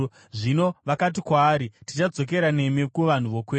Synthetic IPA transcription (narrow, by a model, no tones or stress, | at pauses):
ʐino̞ʋakat̬ikwaːɾitit͡ʃad͡zo̞k̬e̞ɾane̞mikuʋan̤uʋo̞kweː